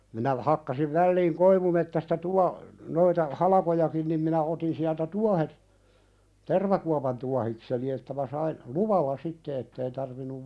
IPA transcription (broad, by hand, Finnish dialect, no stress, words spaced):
minæ hɑkːɑsiʋ ʋælːiːŋ koiʋumetːæstɑ tuɑ noitɑ hɑlɑkojɑkin nim minæ otin siæltæ tuɑhet terʋɑkuɑpɑn tuɑhikseni etːæ mæ sɑin luʋɑlːɑ sitːe etːei tɑrʋinːuʋ